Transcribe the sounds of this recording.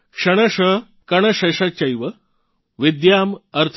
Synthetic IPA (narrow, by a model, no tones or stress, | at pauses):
kʂəɽ̃əɕəɦ | kɐɳ̃əɕɐɕat͡ɕɐjʋə | ʋid̪jaməɾt̪ʰ